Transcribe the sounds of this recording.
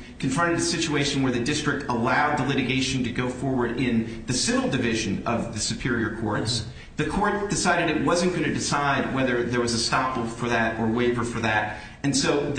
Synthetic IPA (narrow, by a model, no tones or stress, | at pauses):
kʰɨ̃ɱfɹʌ̃ɾ̃ɨɾɨsɪt͡ʃueɪʃn̩wə˞ðɨdɪstɹ̥ɨk̚təlaʊd̪̚ðəlɪɾɨɡeɪʃn̩tɨɡoʊfɔɹwə˞ɾɪ̃nðɨsɪvl̩ˠdɨvɪʒɨ̃nʌvðɨsɨpʰɪɹiə˞kʰɔɹts | ðɨkʰɔɹt̚d̥ɨsaɪɾɨɾɨt̚wʌzɨ̃nɡ̥ʌ̃ñɨdɨsaɪd̚wɛðə˞ðə˞wʌzɨstɑpl̩ˠfə˞ðɨɾə˞weɪvə˞fə˞ðɨɾ | ɨ̃nsoʊð